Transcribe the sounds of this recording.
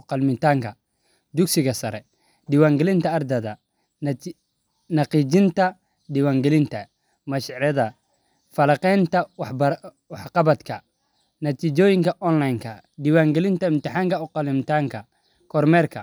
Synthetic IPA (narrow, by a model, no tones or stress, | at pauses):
qɑlmɪnt̪ʰaːŋkʰɐ | d̪ʊksɪɣɐsɐɾɛ | ɖɪwaːŋɡɛlɪnt̪ʰɐɐrd̪ɐðɐ | nɑqiːt͡ʃɪnt̪ʰɐ | dɪwaːŋɡɛlɪnt̪ʰɐ | mɐʃɾɛðɐ | fɐlɐqɛnt̪ʰɐwɑħb | wɑħqɑβɐd̪kʰɐ | nɐt̪ʰiːt͡ʃɔːjɪŋkʰɐʔɔnlajŋkʰɐ | dɪwaːŋɡɛlɪnt̪ʰɐɪmt̪ɪħaːŋkʰɐʊqɑlɪmt̪ʰaːŋkʰɐ | kʰɔrmɛːrkʰɐ